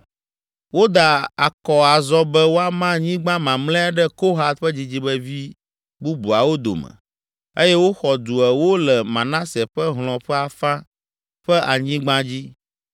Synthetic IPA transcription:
wo˦d̪a˨a˨kɔ˨a˨zɔ˦bɛ˦wo˦a˦mã˦ɲĩ˦ɡ͡bã˦mã˨mlɛ̃˦a˦ɖɛ˦ko˦ɦa˨t̪̚ɸɛ˦d͡ʑi˨d͡ʑi˦bɛ˦vi˦ | bu˦bu˨a˨wo˦d̪o̰˨mɛ̰̃˨ | e˦jɛ˦wo˦xɔ˨d̪u˨ɛ˨wo˦lɛ˨mã˨nã˦sɛ˨ɸɛ˦ɦl̃ɔ̃˨ɸɛ˦a˨fã˦ | ɸɛ˦ʔa˨ɲĩ˦ɡ͡bã˦d͡ʑi˦

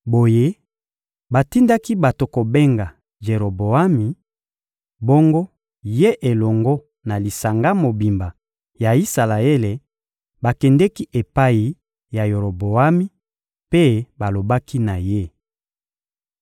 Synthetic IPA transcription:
bo˨je˦ | ba˨ti˦nda˦ki˦ba˨to˨ko˨be˦ŋɡa˨ | ʒe˨ɾo˨bo˨a˦mi˨ | bo˦ŋɡo˦ | je˦ʔe˨lɔ˨ŋɡo˦ | na˨li˨sa˨ŋɡa˦mo˨bi˨mba˨ | ja˨i˦sa˨la˨e˦le˨ | ba˨kɛ˨ndɛ˦ki˦ʔe˨pa˦i˨ | ja˨jo˨ɾo˨bo˨a˦mi˦ | pe˦ba˨lo˨ba˦ki˦na˨je˦

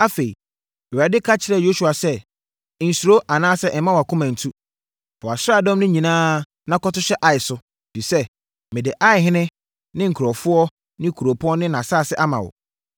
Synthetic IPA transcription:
a˦fe˨ḭ˨ | ɛ˨a˨dɪ˦kʰa˦t͡ɕʰɪ˨ɾɛ˨jo˦su˨a˨sɛ˦˨ | n̩˨su˨ɾo˦ʔa˨nãː˦sɛ˦ʔɛ˨˦mã˦wa˨kʰʊ̃˦mã˨n̩˨tʰu˦ | fɔ˨a˨sɾa˦˨dɔ̃˦mnʊ̃˦ɲĩ˨nãː˦ | nã˦kɔ˦tʊ˦ɕɛ˦ʔa˨ɪ˨sʊ˦ | fi˨sɛ˦ | mɪ̃˨dɪ˨ʔa˦ɪ˨ɦɪ̃˦nɪ̃˦ | nɪ̃˦ŋ̩˨kʰu˨ɾɔ˨fʊ˦ɔ˦ | nɪ̃˦kʰu˨ɾo˨pʰɔ˦nɪ̃˦nã˨saː˦˨sɪ˦ʔa˦mã̰˨wʊ̰˨

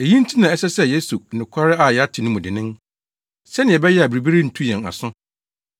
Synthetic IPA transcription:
e˨jĩ˦n̩˦tʰi˦nã˨ɛ˦sɛ˦sɛ˦je˦su˨nɪ̃˨kʰa˦ɾɪ˦a˨jɛ˨˦a˦tʰɪ˨nʊ̃˦mʊ̃˨dɪ˨nɪ̃˦ŋ | sɛ˦nɪ̃˨ɛ˨bɛ˦jɛ˦a˨bi˨ɾi˨bi˦ɾi˦n̩˨tʰu˦jɛ̃˨na̰˨sʊ̃˦

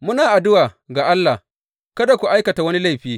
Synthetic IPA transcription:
mʊ˦naː˨ʔa˨dʊ˦waː˨ɡa˨ʔa˦lːa˨h | kɐ˦da˨kʷu˨ʔa˦jkɐ˨ta˨wɐ˦ni˦la˦jɸiː˦

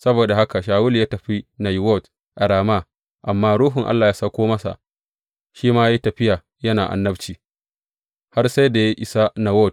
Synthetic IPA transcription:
sɐ˦boː˨da˨ha˦ka˨ʃaː˨wʊ˦ljaː˦tɐ˨ɸi˦na˨jwɔ˦˨t | ʔa˨ɽaː˨ma˦˨ | ʔa˨mːaː˦ɾuː˦ɦʊ˨ŋʔa̰˦lːaː˨jaː˦sa˦kʷoː˦mɐ˦sa̰˨ʔ | ʃiː˦maː˦i˦tɐ˨ɸɪ˦jaː˨ | jɐ˦naː˨ʔa̰˨nːɐ˦bt͡ʃiː˨ | ha˦rsa˦jda˨ja˦ʔɪ˨sa˦na˨wɔ˦˨t̚

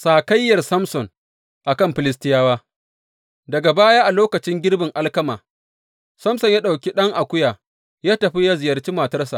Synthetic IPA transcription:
saː˨kɐ˦jːɐ˨rsɐ˦msɔ˨ŋ | ʔa˨kɐ˦˨mɸɪ˨lɪ˦s̬tɪ˦jaː˦waː˦ | dɐ˨ɡa˨baː˦jaː˦ʔa˨loː˦kɐ˨t͡ʃɪ˦ŋɡʲɪ˦rbɪ˨ŋʔa˦lkɐ˦maː˨ | sɐ˦msɔ˨ɲja˦ɗa˨wkʲi˦ɗɐ˦ŋʔa˨kʷʊ˦jaː˨ | jaː˦tɐ˨ɸi˦ja˦zɪ˨jɐ˨rt͡ʃiː˦ma˨tɐ˦rsa̰˨ʔ

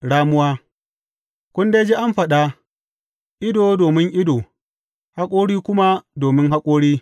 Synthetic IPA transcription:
ɽaː˦mʊ˦waː˦ | kʷʊ˦nde˦d͡ʒe˦ʔa˦mɸɐ˨ɗa˦ | ʔɪ˦doː˨doː˨mɪ˦ŋʔɪ˦doː˨ | ha˦kʷʼoː˦ɽiː˦kʷʊ˦ma˦doː˨mɪ˦ŋɦa˦kʷʼoː˦ɽiː˦

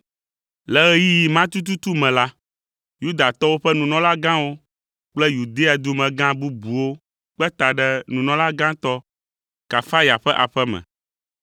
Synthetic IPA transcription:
lɛ˨ɣɛ˦ji˦ji˨mã˦t̪u˦t̪̬u˦t̪u˦mɛ̃˨la˦ | ju˦d̪a˨t̪ɔ˦wo˦ɸɛ˦nũ˨nɔ̃˦la˦ɡã˦wo˦ | k͡plɛ˦ju˨d̪e˦a˨d̪u˦mɛ̃˨ɡã˦bu˦bu˨wo˦ | k͡pɛ˦t̪a˨ɖɛ˦nũ˨nɔ̃˦la˦ɡã˦t̪ɔ˦ | ka˨fa˦ja˨ɸɛ˦ʔa̰˨ɸɛ˦mɛ̰̃˨

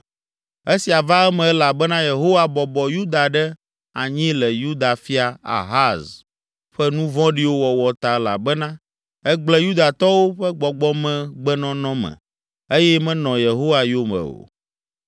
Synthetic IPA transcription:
e˦si˨a˨va˦ɛ˦mɛ̃˨ɛ˦la˨bɛ˦nã˦je˨ɦo˦wa˨bɔ˨bɔ˨ju˦d̪a˨ɖɛ˦ | a̰˨ɲĩ˦lɛ˨ju˦d̪a˨fi˦a˨a̰˨ɦa˦z | ɸɛ˦nũ˦vɔ̃˦ɖi˦wo˦wɔ˨wɔ˨t̪a˨ɛ˦la̰˨bɛ˦nã˦ | ɛ˦ɡ͡blɛ˦ju˦d̪a˨t̪ɔ˦wo˦ɸɛ˦ɡ͡bɔ˨ɡ͡bɔ˦mɛ̃˦ɡ͡bɛ˦nɔ̃˦nɔ̃˦mɛ̰̃˨ | e˦jɛ˦mɛ̃˦nɔ̃˨je˨ɦo˦wa˨jo˦mɛ̰̃˨o̰˨

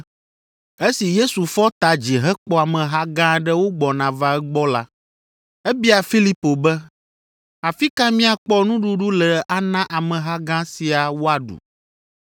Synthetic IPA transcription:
e˦si˨je˦su˨fɔ˦t̪a˨d͡ʑi˨ɦɛ˦k͡pɔ˦a˨mɛ̃˨ɦa˦ɡã˦ɖɛ˦wo˦ɡ͡bɔ˨nã˨va˦ɛ˦ɡ͡bɔ˦la˦ | ɛ˦bi˦a˨fi˦li˦po˨bɛ˦ | a˨fi˦ka˦mĩ˦a˨k͡pɔ˦nũ˦ɖu˦ɖu˦lɛ˨ʔa˦nã˦ʔa˨mɛ̃˨ɦa˦ɡã˦si˨a˨wo˦a˨ɖṵ˨

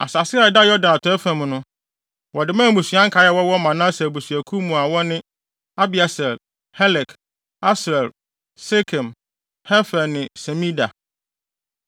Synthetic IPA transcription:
a̰˨sa˨sɪ˦a˨da˦jɔ˦dã˨na˨tʰɔ˨˦ɛ˦fã˨mʊ̃˨nʊ̃˦ | wɔ˨dɪ˨˦mãː˦˨mũ˨sɥã˦ŋ̩˦kʰa˨˦jɛ˦wɔ˦wɔ˦mã˨nã˦sɛ˨bu˨sɥæ˨kʰu˦mũ˨a˨wɔ˦nɪ̃˦ | a˦bi˨a˨sɛ˨l | hɛ˦lɛ˨k | a˦sɾɛ˨l | se˦kʰɛ̃˨m | hɛ˦fɛ˨nɪ̃˨sɛ˨mĩ˦da̰˨

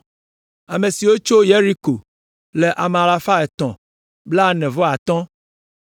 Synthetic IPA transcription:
a˨mẽ˨si˨wo˦t͡ʃo˦je˦ɾi˦ko˨ | le˨ʔa˨m˨a˨la˨fa˦ɛ˨t̪ɔ̰̃˨ | bla˦nɛ̃˨vɔ˦a˨t̪ɔ̃˦

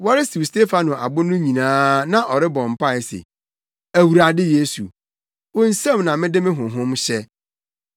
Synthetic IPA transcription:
wɔ˦ɾɪ˦si˨wste˦fa˨nʊ̃˨ʔa̰˨bʊ˦nʊ̃˦ɲĩ˨nãː˦nã˦ʔɔ˨ɾɪ˦bɔ̃˨m̩˨pʰa˦˨ɛ˨sḛ˨ | æ˨wu˨ɾa˨dɪ˦je˦sṵ˨ | wɔ̃˦n̩˦sɛ̃˦mnã˨mɪ̃˦dɪ˦mɪ̃˦ɦʊ̃˨ɦʊ̃˦mɕɛ˦

